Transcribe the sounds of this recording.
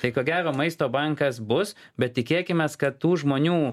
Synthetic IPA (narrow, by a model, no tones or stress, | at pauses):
t̪ɐɪkoːɡʲæːɾoːmɐɪst̪oːbɐŋkɐs̬bʊs | bʲɛt̪̚ʲtʲɪkʲeːkʲɪmʲeːskɐt̪t̪uːʒmoːnʲuː